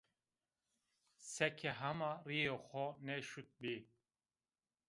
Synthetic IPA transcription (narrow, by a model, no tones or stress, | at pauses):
sɛkʰɛɦamariexɔnɛʃut̪̚bi